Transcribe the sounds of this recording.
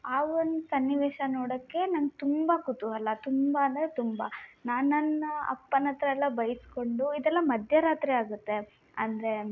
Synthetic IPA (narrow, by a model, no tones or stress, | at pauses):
aːond̪usɐnːiʋeːʂɐnoːɽɐkːe̞nɐŋɡet̪umbɐkut̪uɐlːɐt̪umbɐːnd̪ɐɾet̪umbɐnaːnnɐnːɐɐ̰pːɐnɐt̪ɾɐɛlːɐbɐjisko̞ɳɖuid̪ɛlːɐmɐd̪ʱjɐɾaːt̪ɾiaːɡut̪ːe̞ | ɐnd̪ɐɾe̞